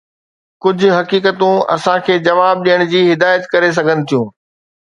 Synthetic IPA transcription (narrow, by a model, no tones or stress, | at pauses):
kʊd͡ʑʱʊ̆ɦɐkiːkət̪ũɐ̰sãkʰeːd͡ʑɐʋaːb̚ɗijəɽ̃d͡ʑiːɦɪd̪aːjət̪kɐɾes̬ɐɡʱənɪ̆t̪ʰijũː